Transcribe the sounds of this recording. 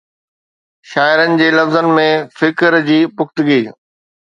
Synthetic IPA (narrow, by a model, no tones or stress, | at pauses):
ʃaːɪɾənɪ̆d͡ʑeːlɐfzənɪ̆mẽfɪkɾd͡ʑiːpʊxt̪ʊɡiː